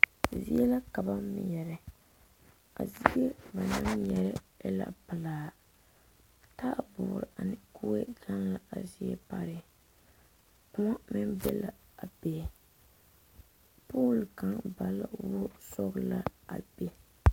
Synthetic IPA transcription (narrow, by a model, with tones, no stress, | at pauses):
zi˦ɛ˦la˦ka˨ba˦mmɪ̰˨jɛ˨ɾɪ˨ | a̰˨zi˦e˦ba˨na˦ŋjɛ˨ɾɪ˦ɛ˦la̰˨pɨ˨laː˦ | ta˦ʔbʊ̰ː˨ɾɪ˨ʔa˨nɪ˦ku˦e˦ɡa˦nla˨a˨zi˦ɛ̰˦pa˨ɾɪ˦ | kʊ˦ma˦mɪ˦nbɛ̰˦la˨a˨be˨ | puː˦lka˦ŋba˨la̰˦wo˦sɔ˦ɣla˦a̰˨be˦